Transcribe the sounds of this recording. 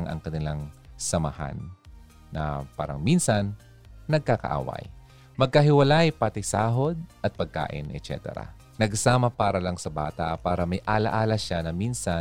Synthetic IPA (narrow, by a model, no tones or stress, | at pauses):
ŋʔɐ̰ŋkɐnɪlaŋsɐmɐha̰nː | ɐ̰pa̰ːɾɐ̰ŋminsɐnː | ɐɡ̚kakɐ̰ʔa̰ːwɐ̰j | mɐɡ̚kɐɦɪwɐlajpat̪ɪsaːɦod̪̚ʔɐt̪̚pɐɡ̚ka̰ːʔɪ̰nʔɛ̰tt͡ʃɛ̰t̪ɛ̰ɾɐ̰ | nɐɡsaːmɐpaːɾɐlɐŋsɐba̰ːt̪ɐpaːɾɐmɐjʔaːlɐʔaːlɐʃanɐminsɐ